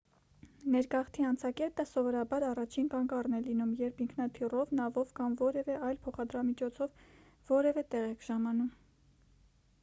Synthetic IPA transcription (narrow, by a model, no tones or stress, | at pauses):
nɛɾkɑχt̪ʰiɑnt͡sʰɑkɛt̪əsɔvɔɾɑbɑɾɑrɑt͡ʃʰinkɑŋkɑrnɛlinumjɛɾpʰiŋkʰnɑt̪ʰirɔvnɑvɔvkɑmvɔɾɛvɛʔɑjlpʰɔχɑd̪ɾɑmit͡ʃʰɔt͡sʰɔv | vɔɾɛvɛt̪ɛʁɛkʰʒ̥ɑmɑn̪um